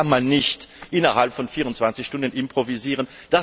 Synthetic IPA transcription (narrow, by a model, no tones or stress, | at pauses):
anmanːɪçtʔɪnɐhalpfɔnfiːʁʊntt͡sv̥ant͡sɪçʃtʊndənɪmpʁ̥oviziːʁən | d̥a